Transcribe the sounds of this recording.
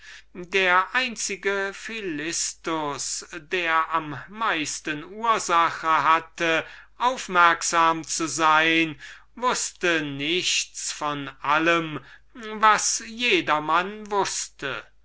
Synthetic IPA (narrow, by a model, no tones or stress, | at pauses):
deːɐʔaɪnt͡sɪɡəfilɪstʊsdeːɐʔamːaɪstənuːɐzaχəɦatəʔaʊfmɛɐkz̥aːmt͡suzaɪn | vʊstənɪçt͡sfɔnʔaləmvasjeːdɐmanvʊstə̰